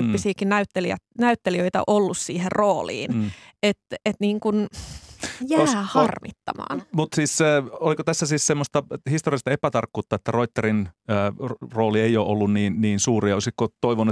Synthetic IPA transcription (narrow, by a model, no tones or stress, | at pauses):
pːisiːkinnæyt̪ːeliæ̰t̪næyt̪ːeliøit̪ɑ̰ʔolːussiːherroːlḭːnet̪et̪niːŋkun | jæoːhɑrmḭt̪ːɑ̰mɑ̰ːnmut̪siːsːolikot̪æsːæsiːssemːost̪ɑhist̪oriɑst̪ɑepæt̪ɑrkːuːt̪ːɑet̪ːæroit̪ːeɾinː | roːlieioːʔolːunniːnniːnsuːriɑosikːot̪oiʋonːu